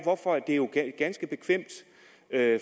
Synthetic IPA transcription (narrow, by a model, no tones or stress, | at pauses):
ʋɒfɒ̽æd̥e̝jo̝ɡ̥ɡ̥ænsɡ̥əb̥e̝kʰʋem̰d̥ | ø